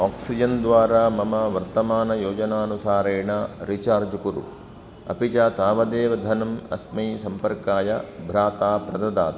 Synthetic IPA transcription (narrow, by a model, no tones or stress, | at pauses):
aːksid͡ʒɐnd̪ʋaːɾaːmɐmɐʋɐɾt̪ɐmaːnɐjoːd͡ʒɐnaːnusaːɾeːɳɐɾit͡ʃaːɾd͡ʒukuɾṵ | ɐ̰pit͡ʃaːt̪aːʋɐd̪eːʋɐd̪ʱɐnɐmɐ̰smɐjsɐmpɐɾkaːjɐbʱɾaːt̪aːpɾɐd̪ɐd̪a̰ːt̪